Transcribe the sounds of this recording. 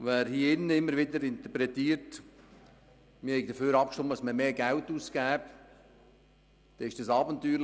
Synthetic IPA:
ʋæːɾhiːɪnːəɪmːəɾʋɪdəɾɪnt̪əpɾɛtiːəɾt | mɪhɛɪɡd̥əføːɾɑp̚kʃtɪməd̥ɑsməmeːɡæltuːsɡæːp | d̥ɛɪʃd̥ɑsɑːbəntyːɾ

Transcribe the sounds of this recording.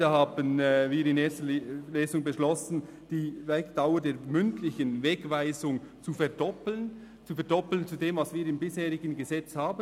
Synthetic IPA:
ɑhaːbənviːɾɪneːstəleːzʊŋbəʃlɔsn̩ | d̥iːvɛkd̥aʊədeːɐmʏntlɪçənvɛɡvaɪzʊŋt͡sufɛɐdɔplən | t͡sufɛɐdɔpl̩ənt͡sudeːmvɑsviːɾɪmbɪsheːʁɪɡənɡəzɛt͡shaːbə

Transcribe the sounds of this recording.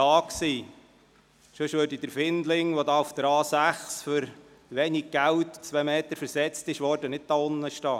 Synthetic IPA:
ɑːksiː | ʃɵʃʋøːɾdid̪əɾfɪnd̪lɪŋʋodɑːufd̥̪əɾɑːsæχsfʏɾ | ʋɛːniɡ̚ɡ̥æltt͡sʋemeːt̪əɾfəɾsɛt͡stɪʃʋɔɾdənɪt̚d̥ɑːʊnːəʃtɑː

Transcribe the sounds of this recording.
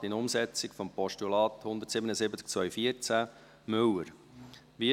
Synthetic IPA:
ɪnʊmsɛt͡sɪkfɔmpɔʃtulɑːt̪hʊnd̪əɾtsɪbənəsɪbət͡sk̚t͡sʋœɥfiəɾt͡sæ | mʏwəɾ | ʋi

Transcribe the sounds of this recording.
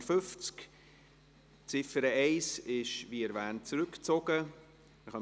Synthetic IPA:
fʏft͡sk | t͡sɪfəɾəɛɪsɪʃviːɛɾvæːntt͡sɾʏkt͡soɡə | məχɑ

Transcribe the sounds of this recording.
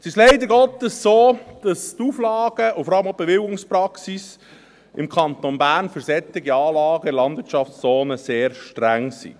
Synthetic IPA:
t͡sɪslɛɪd̪əɾɡɔtːəsːoːd̥ɑstuːflɑːɡ̥əʊfɔɾɑləmaʊb̥eʋɪlɡʊŋspɾɑksis | ʔɪ̰mkʰɑnt̪onbæːɾnfʏɾsɛtɪɡiɑːlɑːɡəɪlɑndvɪt͡ʃɑft͡sst͡soːnəseːɾʃtɾæŋsḭ

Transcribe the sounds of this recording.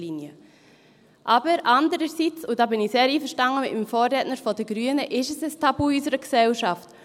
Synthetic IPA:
linjə | ʔɑːbəɾɑndəɾəsit͡sʊd̥ɑːbɪniseːɾiːfəʃtɑŋəmɪ̰tmfɔːɾɾɛtnəɾfɔdəɡɾyənəʔɪʃəsəstʰɑbuysəɾəksɛlʃɑft

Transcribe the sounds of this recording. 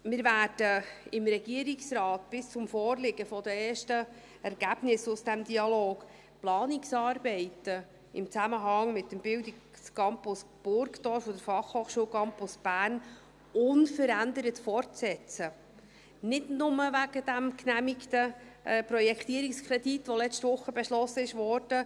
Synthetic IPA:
mɪɾvæːd̥əɪmɾɛɡiəɾiksrɑːtb̥ɪst͡sʊmfɔːrlɪɡəfɔd̪əeːʃtə | ɛɾɡ̥æb̥nɪsʊsd̥æmd̪iɑloːɡ̥ | plɑːnɪksɑːɾbɛɪtə | ɪmt͡sæməɦɑŋmɪt̚ːəmbɪldi | skɑmpʊsb̥ʊɾkt̪ɔːɾfɔd̪əɾfɑχhoːχʃuːwkʰɑmpʊsb̥æːrn | ʊnfəɾænd̪əɾətfɔrtsɛt͡sə | nɪdnʊməʋæɡəd̥æmknæmiktəpɾɔjɛkχt̪iəɾɪkskʰɾɛditːʋɔlɛstʋʊχːəbɛʃlɔsəɪʃʋɔɾd̥ə

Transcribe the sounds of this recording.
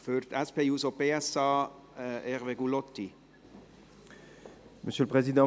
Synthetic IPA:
føːɾt̪ɛspeːjuːsɔpeːɛsɑː | ɛʁveɡulɔt̪ːi | məsjøləpχezid̪ɑ̃

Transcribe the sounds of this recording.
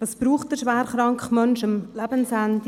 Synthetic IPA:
tɑsbɾuːχt̚d̥əɾʃʋɛːɾχɾɑŋkχmœnʃəmlæb̥ənsænd

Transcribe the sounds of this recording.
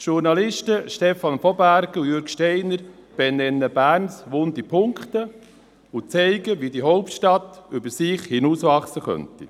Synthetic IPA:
ʃuɾnɑlɪʃtəʃtɛfɑnfɔbæɾɡujøɾkʃteɪnəɾb̥enɛnːəbæːɾnsʋoːnd̪ipʰʊŋkt̪ə | ʊt͡sɛɪɡəʋidiɦoʊptʃtɑt̪ʏbəɾsɪχhinusʋɑχsəχœ̰nti

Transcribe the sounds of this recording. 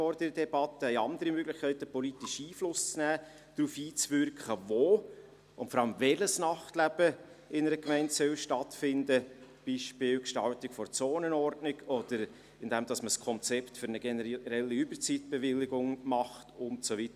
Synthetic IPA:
ɔɾd̥əɾədɛbɑtːəhɛɪɑnd̪əɾimøɡlɪχkʰɛɪtəpɔlitiʃiːflʊst͡snæː | d̥ɾuːfiːt͡svʏɾkχəvoː | ʊntfɔɾɑləmvɛləsnɑχtlæb̥əɪnəɾəkmɛɪntsœlʃtɑtfɪndəb̥iːʃpɪːlkʃtɑltɪkfɔɾt͡soːnənɔɾdnɪɡɔd̥əɾ | ɪndɛmd̥ɑsməskʰɔnt͡sɛptfʏɾnəɡɛnəɾɛlːiybəɾt͡sitb̥ɛvɪlːɪɡʊŋmɑχtʊntsovitə

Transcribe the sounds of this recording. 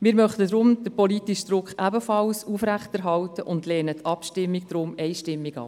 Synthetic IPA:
mɪːɾmœχtədɾʊmd̥əpɔlitiʃd̥̪ɾʊkχæbəfɑlsufɾæχtɛɾɦɑltəʔʊndlɛːnətʰɑpʃtɪmːik̚d̥ɾʊmɛɪʃtɪmːiɡ̥ɑ̰ːp

